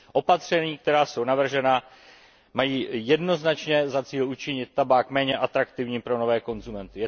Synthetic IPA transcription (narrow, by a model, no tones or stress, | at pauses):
ʔo̞pat̪r̝̥ɛɲiːkt̪ɛɾaːso̞wnavr̩ʒɛna | majiːjɛdno̞znat͡ʃɲɛzat͡siːlut͡ʃɪɲɪt̪̚ːabaːkmɛːɲɛʔat̪ɾakt̪ɪvɲiːpɾo̞no̞vɛːko̞nzumɛnt̪ɪjɛ